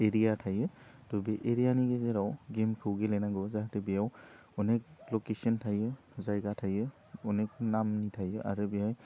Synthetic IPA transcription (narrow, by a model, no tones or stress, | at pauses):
eɾijatʰajɯ | d̥ɔbeʔeɾijaniɡezeɾawɡemkʰɯwɡelenaɡɯzaɦtebijaw | ɔnek̚lɔkesɔntʰajɯ | zajɡatʰajɯ | ɔnek̚namnitʰajɯʔa̰ɾɯbiaj